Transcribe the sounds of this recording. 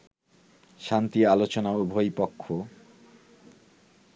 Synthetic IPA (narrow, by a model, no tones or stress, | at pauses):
ʃant̪ialot͡ɕonaubʱojpɔkʰːo